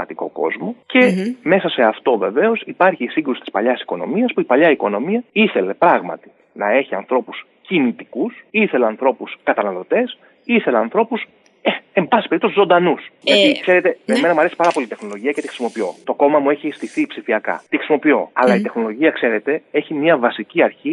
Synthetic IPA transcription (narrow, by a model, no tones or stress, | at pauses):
ɐt̪iko̞̰ko̞̰zmo̞ce̞me̞sɐse̞ɐft̪o̞ve̞ve̞o̞sipɐɾçiːsiŋɡɾusi̥t̪i̥spɐʎɐsi̥ko̞no̞̰miɐspuipɐʎɐiko̞no̞miɐiθe̞le̞pɾɐɣmɐ̰t̪i̥ | nɐe̞çiɐ̰nθɾo̞pus | cinit̪ikusiθe̞leɐnθɾo̞puskɐt̪ɐnɐlo̞t̪e̞s | iθe̞leɐnθɾo̞pus | eembɐsi̥peɾipt̪osizo̞nd̪ɐnusʝɐt̪ikse̞ɾe̞t̪e̞emnɐmuɐɾesi̥pɐɾɐpo̞lit̪e̞xno̞lo̞ʝiɐcet̪ixɾisimo̞pio̞̰t̪o̞ko̞mɐmue̞çist̪iθipsifiɐkɐ̰t̪ixɾisimo̞pio̞̰ɐ̰lɐit̪e̞xno̞lo̞ʝiɐkse̞ɾe̞t̪e̞e̞çimɲiɐvɐsiciɐɾçi